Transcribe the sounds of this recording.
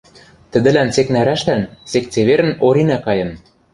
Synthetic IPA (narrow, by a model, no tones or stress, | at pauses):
t̪ɘ̆d̪ɘ̆lænt͡seknæɾæʃlænsek̚t͡seβeɾɘ̆noɾinækɑjɤ̆n